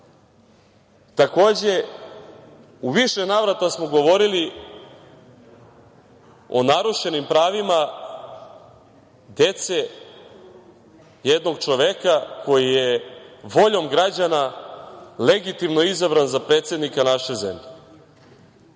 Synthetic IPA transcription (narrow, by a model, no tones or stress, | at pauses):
t̪ako̞ːd͡ʑe̞ | uʋiʃenaʋɾat̪asmo̞ɡo̞ʋo̞ɾili | o̞̰naɾuʃe̞nimpɾaːʋima | d̪e̞t̪se̞ | jed̪no̞ɡt͡ʃo̞ʋekako̞jijeʋo̞ʎo̞mɡɾad͡ʑana | le̞ɡit̪imno̞izabɾanzapɾe̞ːt̪se̞d̪nikanaʃezḛmʎe